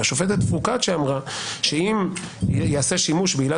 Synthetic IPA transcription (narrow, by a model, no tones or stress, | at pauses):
aʃofet̪et̪fukat̪ʃeamʁaʃe̞imjeaseʃimuʃbiːla